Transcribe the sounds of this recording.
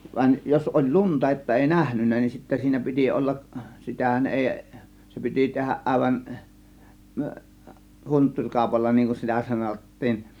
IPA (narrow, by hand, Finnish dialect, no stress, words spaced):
ʋɑĭn jos olʲ luntɑ etːæ eˑi næhnynːæ nin sitːæ siːnæ pi̞ti olːɑʔ si̞tæhæn ʔeˑi se pi̞ti tehæʔ ʔɑˑe̝ʋɑn huntːurʲ kɑˑo̝pɑlːɑ niŋ kun sitæ sɑnotːiːn